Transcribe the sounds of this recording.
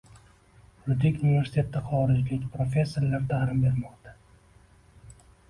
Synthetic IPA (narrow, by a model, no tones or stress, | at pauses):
ɾʊd̪ɪkʲunivʲe̞ɾsɪ̥t̪ʰe̞t̪ʰːɪχɒɾɪd͡ʒlɪkʲpʰɾofʲe̞sːoɾlaɾt̪ʰahɾɪmbe̞ɾmɒqd̪ḁ